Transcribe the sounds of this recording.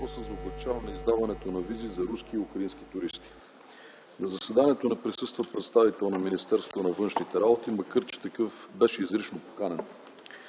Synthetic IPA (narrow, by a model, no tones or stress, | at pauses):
osəzɐoblɛt͡ʃavɐnɐizd̪avɐnɛt̪onɐvizizɐɾuskiːukɾɐinsk̟i̥t̪uɾist̪i̥ | nɐzɐsɛd̪aniɛt̪onɛpɾisɤst̪vəpɾɛt̪st̪avit̪ɛlˠnɐminist̪ɛɾsvot̪onɐvɤnʃnit̪ɛɾabot̪iməkɤɾt͡ʃi̥t̪ɐkɤfbɛʃɛizɾit͡ʃnopo̥kanɛn